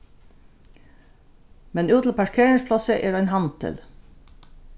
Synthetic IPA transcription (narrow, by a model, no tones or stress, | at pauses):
mɛnʉːt̪ʰl̩pɑʂkʰeːɹɪŋspʰlɔsəʔɛːɾɔjnɦɑnt̪ʰɪ̰l